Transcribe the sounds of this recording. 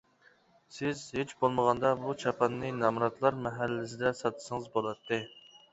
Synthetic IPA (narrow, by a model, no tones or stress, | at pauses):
sɪzhet͡ʃbolˠməʁɑnd̪ɑbut͡ʃʰɑpʰɑnːɨnɑmɾɑt̪lˠɑɾmɛɦælːɪsɪd̪ɛsɑt̪ʰɨ̥sɨŋɨzbolˠɑt̪ʰːɨ